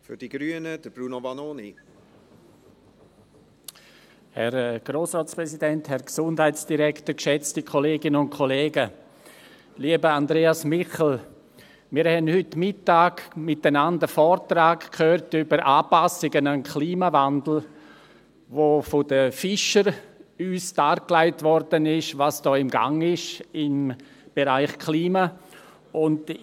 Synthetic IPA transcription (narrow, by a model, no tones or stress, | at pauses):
fʏd̥iɡ̥ɾyənəd̥əb̥ɾuːnovanoːni | hɛɾɡ̥ɾoːsɾɔːtt͡spɾɛsidɛnthɛɾksʊndhaɪtsd̥iɾɛktəkʃɛt͡stikʰoleːɡɪnənʊnkʰoleːɡə | liəbəandɾeːasmɪχl̩ | mɪːɾhɛnhʏtmɪtːaːɡmɪtənandəfɔːɾtɾaːkkʰhøːɾtybəɾʔaːpasɪɡənankʰliːmavandl̩ | ʋofodəfɪʃəɾyːsd̥aːɾklaɪtvɔɾd̥ənɪʃvasd̥ɔːɪmɡa̰ŋɪʃɪm | b̥eɾaɪχkʰliːma | ʊnd